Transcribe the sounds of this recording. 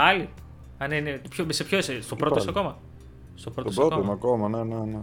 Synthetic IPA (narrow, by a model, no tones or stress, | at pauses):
ɐli | ɐninet̪opçosepçoisest̪opɾot̪osɐko̞mɐ | st̪opɾotosɾɐokooɐkomɐnenene